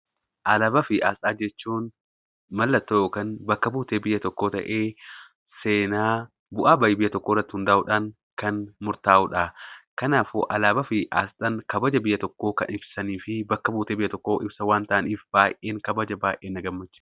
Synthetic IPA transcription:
ʔɐlɐbɐfɪʔaːsɗaːd͡ʒɛt͡ʃːuːn | mɐlːɐt̪ːokɐnbɐkːɐbuːt̪e̞ːbɪjːɐt̪ɔkːo̞ːt̪ɐ̰ʔe̞ː | se̞ːnaː | bʊʔaːbɐjɪbɪjːɐt̪ɔkːorːɐt̪ːɪhʊnd̪ɐʔʊᶑaːn | kɐnmʊɾt̪aːʔʊᶑaːkɐnaːfʊ̰ʔɐlaːbɐfɪʔa̰ːsᶑɐnkɐbɐd͡ʒɐbɪjːɐt̪ɔkːo̞ːkɐ̰nɪbsɐniːfɪbɐkːɐbuːt̪e̞ːbɪjːɐt̪ɔkːo̞ːʔɪbsɐwaːnt̪ɐʔɐniːfb̥aːjʔʔeːŋkɐbɐd͡ʒɐbaːjʔeːnːɐɡɐmːɐt͡ʃːɪ̥

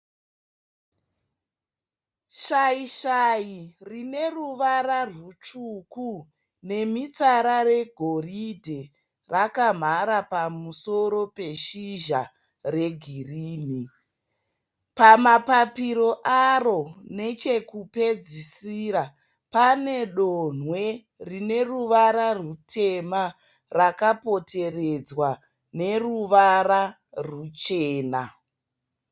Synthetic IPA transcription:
ʃaiʃajirine̞ruʋaɾarut͡ʃuku | ne̞mit͡saɾare̞ɡʱo̞ridʱe | rakam̤aɾapamuso̞ɾo̞pe̞ʃiʒa | re̞ɡʱiriːni | pamapapiɾo̞ʔaro̞ne̞t͡ʃe̞kupe̞d͡zisiɾa | pane̞ɗonwe̞ | rine̞ruʋaɾarutʰe̞ma | rakapo̞tʰe̞red͡zwa | ne̞ruʋara | rut͡ʃeːna

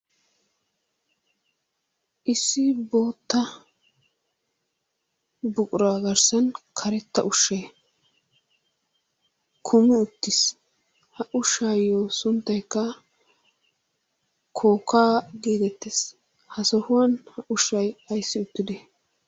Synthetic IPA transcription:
ʔɪsːɪbo̞ːt̪ːɐ | bʊkʼʊɾaːɡɐɾsɐnkʰɐɾɛt̪ːɐʔʊʃːeː | kʰʊmɪʊt̪ːɪs | hɐʔʊʃːaːjːoːsʊnt̪ːɐjkːɐ | kʰo̞ːkaːɡeːt̪ɛt̪ːes | hɐsɔhʊwɐnhɐʔʊʃːɐjɐjsːɪʊt̪ːɪd̪ɛ

